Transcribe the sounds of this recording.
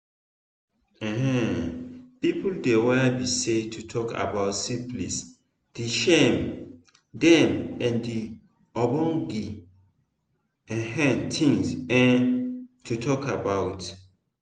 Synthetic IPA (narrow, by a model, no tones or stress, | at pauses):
ɛ̃hɛ̃ | pipuldewɛbisetʰutʰɔka̰baʊtsiplis | d̥iʃɛm | dɛ̃mɛ̃ndi | ɔbɔ̃ŋɡi | ɛ̃ɦɛ̃ntʰĩŋsɛ̃ntʰutʰɔkabaʊt